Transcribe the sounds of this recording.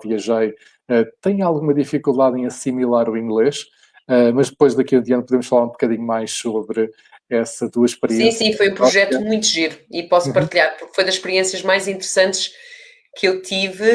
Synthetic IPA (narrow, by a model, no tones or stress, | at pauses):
viɐʒɐj | ɛt̪ɐ̃j̃alˠɣumɐðifikulˠd̪aðẽj̃ɐsimilˠaɾuĩŋɡlˠeʃ | ɛmɐʒðɨpojʒðɐkiɐ̃d̪iɐnpuðemʊʃfɐlˠaɾũbukɐðiɲumajʃsoβɾɨ | ɛsɐt̪uɐʃpɨɾiĩsĩfojũpɾuʒɛt̪umũj̃t̪uʒeɾuipɔsupɐɾt̪iʎaɾpuɾkfojðɐʃpɨɾiẽsiɐʒmajzĩnt̪ɨɾɨsɐ̃nt̪ʃ | kʰewt̪ʰivɨ